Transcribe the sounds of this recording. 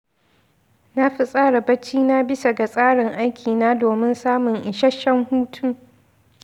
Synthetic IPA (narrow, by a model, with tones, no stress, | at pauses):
na˦ɸi˨sʼaː˦ɽa˨bɐ˦t͡ʃiː˦naː˦bɪ˦sa˨ɡa˨sʼaː˦ɽɪ˨ŋʔa˦jkʲʰiː˨naː˦doː˨mɪ˦nsaː˦mʊ˨ŋʔɪ˨ʃɐ˦ʃːɐ˦ŋhuː˦tʰu˦